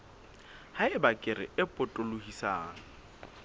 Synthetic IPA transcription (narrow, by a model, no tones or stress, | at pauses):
haɪbakʼɪɾɪ̰ɪpʼʊtʼolohisaːŋa